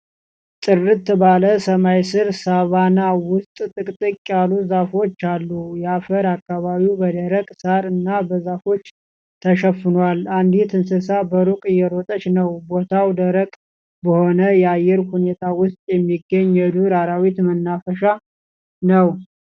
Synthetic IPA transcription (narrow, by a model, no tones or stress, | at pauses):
t̪ʼɨrːɨt̪ːbaləsəmajsɨɾsaβanawʊst̪ʼt̪ʼɨkʼt̪ʼɨkʼːaluzafo̞t͡ʃːalːujɛafəɾakːaβaβiwbəd̪əɾəkʼsaɾɨnːabəzafo̞t͡ʃː | t̪ʰəʃəfːɨnwaland̪it̪ʰɨnsɨsabəɾukʼɨjɛɾot̪ʼət͡ʃnəwbo̞t̪ʰawd̪əɾəkʼ | bəho̞nəjɛajːɛɾhune̞t̪ʰawʊst̪ʼjɛmːiɡːəɲːɛd̪uɾaɾawit̪mənːafəʃa | nəw